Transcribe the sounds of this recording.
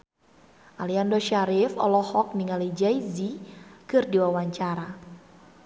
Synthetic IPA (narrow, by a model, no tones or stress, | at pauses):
ʔaliandɔʃaɾifɔ̰lɔhɔk̚niŋalid͡ʒajzikɨrdiwawaɲt͡ʃaɾa